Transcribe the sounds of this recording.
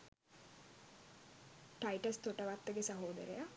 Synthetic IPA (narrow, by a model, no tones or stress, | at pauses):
ʈajʈəst̪oʈəʋat̪ːəɡesaɦoːd̪ə̰ɾḛja